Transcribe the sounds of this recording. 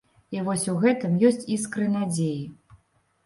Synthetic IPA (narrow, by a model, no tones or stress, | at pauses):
ivɔsʲuɣɛt̪ɨmjɔsʲt͡sʲis̬kɾɨnad͡zʲeji